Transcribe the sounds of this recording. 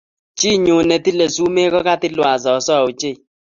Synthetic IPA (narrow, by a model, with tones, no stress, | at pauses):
t͡ʃɪ˦˨ɲʊ˨nɛ˨t̪i˦le˨su˦me˦kɔ˦ka˦t̪ɪ˦lwa˨zɔ˨˦sɔ˦˨o˨t͡ʃe˦˨